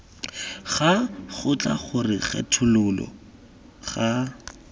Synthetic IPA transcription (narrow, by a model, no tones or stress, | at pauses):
χaχʊt͡ɬʼa̰χʊrɪχɛ̰tʰʊlʊlɔ̰ | χa